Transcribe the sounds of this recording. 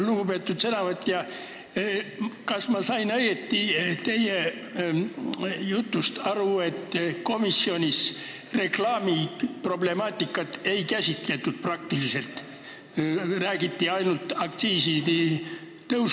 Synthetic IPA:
luɡ̥upe̞ːt̪ːˑud̪senɑvɤt̪ːˑjɑ | kɑsmɑsɑjnɑjɡet̪ːit̪e̞je | jut̪ːˑust̪ɑɾue̞t̪ːko̞misːio̞nʲis | re̞klɑːmipro̞ble̞mɑːt̪ːˑikːˑɑt̪ːˑe̞jkæsʲit̪le̞t̪ːˑud̪̥̚prɑk̚t̪ilise̞lt̪ | ræːɡ̥it̪ːiɑjnult̪ɑk̚t̪siːsit̪i | t̪ɤws

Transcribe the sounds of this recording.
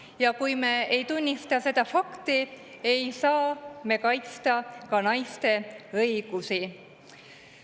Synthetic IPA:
jɑkujme̞ːejt̪unʲːist̪ɑse̞d̪ɑfɑkt̪i | ejsɑːme̞kɑjt̪st̪ɑkɑnɑjst̪e̞ɤjɡ̥usi

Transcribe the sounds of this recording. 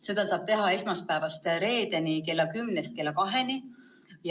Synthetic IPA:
se̞d̪̥ɑsɑːb̥̚t̪e̞ɦɑe̞smɑspæevɑst̪ɾe̞ːd̪̥enike̞lːɑkymnest̪̚ke̞lːɑkɑɦe̞ni | j

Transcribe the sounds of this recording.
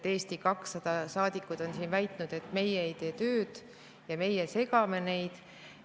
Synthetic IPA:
t̪e̞ːst̪ikɑksːɑd̪̥ɑsɑːd̪̥ikːˑud̪̥o̞nsiːnvæjt̪ˑnud̪̥e̞t̪ːˑme̞jeːejt̪e̞ːt̪ø̞ːd̪̥ | jɑme̞jese̞ɡɑme̞ne̞jd̪̥

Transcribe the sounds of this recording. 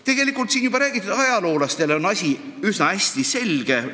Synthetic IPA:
t̪e̞ɡ̥e̞likːˑult̪siːnjubɑɾæːɡ̥it̪ːˑud̪̥ɑjɑlo̞ːlɑst̪e̞leo̞nɑsʲi | ysnɑæsʲt̪ise̞lɡ̥e̞

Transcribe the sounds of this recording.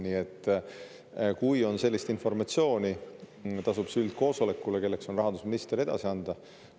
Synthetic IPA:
niːe̞t̪ːˑ | kujo̞nse̞lːist̪info̞rmɑt̪sio̞ːni | t̪ɑsub̥syld̪̥̚ko̞ːso̞le̞kːˑuleke̞lːe̞kso̞nrɑɦɑnd̪̥usminist̪eɾe̞d̪̥ɑ̰siɑnd̪̥ɑ

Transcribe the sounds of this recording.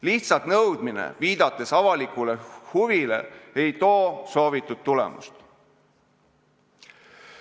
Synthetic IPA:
liht̪sɑt̪nɤwd̪minḛviːd̪̥ɑt̪ˑːe̞sɑvɑlikule̞huvile̞̰e̞jt̪o̞ːso̞ːvit̪ːˑud̪̚t̪ːulɛ̰mṵst̪

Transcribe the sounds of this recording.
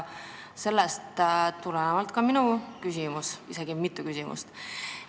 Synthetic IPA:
se̞lːest̪t̪ulenemɑlt̪ˑkɑminukysʲimusise̞ɡ̥imit̪ːˑukysʲimʔṵst̪

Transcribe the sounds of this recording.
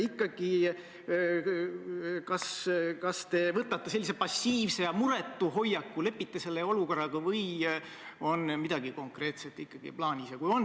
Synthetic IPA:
ikˑːɑɡ̥i | kɑskɑst̪e̞vɤt̪ːˑɑt̪ːˑese̞lʲːisepɑsːiːvsejɑmuɾe̞t̪ːˑuɦo̞jɑkːˑule̞pːit̪ːese̞lːeo̞luko̞rːɑɡ̥ɑvɤj | o̞nmid̪̥ɑɡiko̞ŋkre̞ːt̪se̞t̪ːˑikːɑɡ̥ḭplɑːnʲisjɑkujo̞n

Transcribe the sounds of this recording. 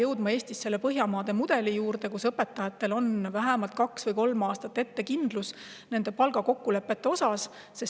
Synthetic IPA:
jɤwd̪̥mɑe̞ːst̪isːe̞lːepɤɦjɑmɑːd̪̥e̞mud̪̥e̞lijuːɾd̪e̞kusɤpːˑe̞t̪ːˑɑjɑt̪ːˑe̞lo̞nvæɦæmɑlt̪̚kɑksvɤjko̞lmɑːst̪ɑt̪ːˑe̞t̪ːe̞kind̪̥lus | ne̞nd̪̥e̞pɑlɡ̥ɑko̞kːule̞pːˑe̞t̪ːe̞o̞sɑsː | e̞s

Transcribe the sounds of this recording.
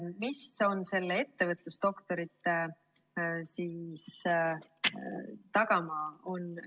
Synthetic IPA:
miso̞nse̞lːee̞t̪ːevɤt̪lust̪o̞kt̪o̞ɾit̪ːˑe | siːs | t̪ɑɡ̥ɑmɑo̞n

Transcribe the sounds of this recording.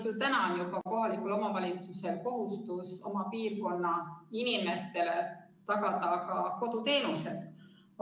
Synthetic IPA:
ut̪ænɑnjubɑko̞ɦɑlikˑulo̞mɑvɑlʲit̪suse̞lko̞ɦust̪uso̞̰mɑpiːrko̞nːɑinime̞st̪e̞le̞ | t̪ɑkɑd̪ɑkɑko̞d̪̥ut̪e̞ːnuse̞d̪̥

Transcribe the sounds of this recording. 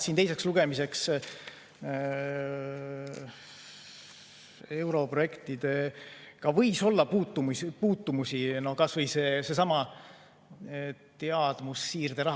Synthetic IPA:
sint̪ejse̞ksluɡ̥e̞mise̞ks | e̞wɾo̞pro̞je̞kt̪id̪̥e̞kɑvɤjso̞lːɑpuːt̪ːˑumuspuːt̪ːumusino̞kɑsvɤjseːse̞sɑmɑ | t̪eɑd̪̥musːiːrd̪e̞ɾɑɦ

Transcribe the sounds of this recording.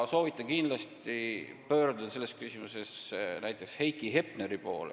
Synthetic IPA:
so̞ːvit̪ːˑɑkind̪lɑst̪ipø̞ːɾd̪ud̪̥ɑse̞lːeskysimuse̞snæjt̪ːˑe̞kshe̞jkːˑiɦe̞pneɾipo̞ːlḛ

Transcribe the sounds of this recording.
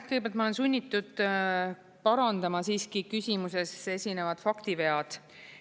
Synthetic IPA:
kɯjɡbælt̪mɑole̞nsunʲːit̪ːˑud̪̥ | pɑɾɑnd̪̥ɑmɑsiːskikysʲimuse̞se̞sʲine̞vɑd̪̥fɑkt̪ive̞ɑd̪̥

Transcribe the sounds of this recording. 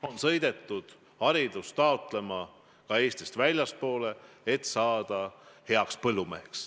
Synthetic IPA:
o̞nsɤ̞jd̪et̪ˑːud̪̥ | hɑɾid̪̥ust̪ɑot̪ˑle̞mɑ | kɑe̞ːst̪ist̪vælʲjɑst̪̚po̞ːle̞ | et̪sɑːd̪̥ɑhe̞ɑkspɤlːumeɦeks

